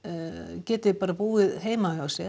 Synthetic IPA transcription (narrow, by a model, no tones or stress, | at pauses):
cɛːt̪ɪpaːɾapuːɪðɦeːjmaasjɛ